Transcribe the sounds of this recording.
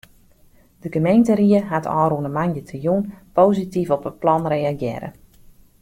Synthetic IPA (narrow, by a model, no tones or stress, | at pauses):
d̥əɡəmejntəɾiəɦatʰɔ̰ːɾunəmanjətʰəjunpowzitifɔpət̚plɔnrejaɡjɪːɾə̰